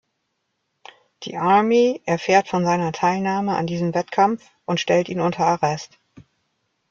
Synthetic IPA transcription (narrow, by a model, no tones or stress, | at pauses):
d̥ḭːʔaɐmeʔɛɐfeːɐtfɔnzaɪnɐtʰaɪlnaːməa̰ndiːzəmvɛtkʰamf | ʔʊntʃtɛltiːnʊntʰɐaʁɛst